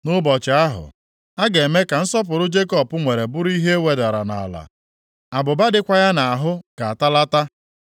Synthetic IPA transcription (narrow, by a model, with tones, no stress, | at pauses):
nʊ˦bɔ˨t͡ʃɪ˨˦a˦ɦʊ̰˨ | a˦ɡe˨me˦ka˨n̩˦sɔ˦pʊ˨ɾʊ˦d͡ʒe˦kɔ˦˨pʊ˦ŋʷe˨ɾe˨bʊ˦ɾi˦ɦe˦e˦we˨da˨ɾa˨na̰˨a̰˨la̰˨ | a˨bʊ˨ba˦dɪ˦kʷa˦ja˦na˨a˨ɦʊ˦ka˨a˨ta˦la˦ta˦